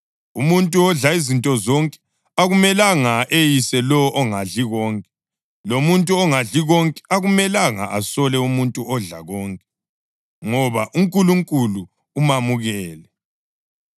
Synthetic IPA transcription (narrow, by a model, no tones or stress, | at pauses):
umuntʼuɔɮaizintʼɔzɔŋkʼɛ̥ | aɣumɛlaŋaʔejisɛlɔʔɔŋaɮiɣɔŋkʼɛ | lomuntʼuɔŋaɮiɣɔŋkʼɛ̥aɣumɛlaŋa̰ʔasɔlɛumuntʼuɔɮa̰ɣɔːŋkʼɛ | ŋɔβaʔuŋkʼuluŋkʼuluː | mamuɣɛːlɛ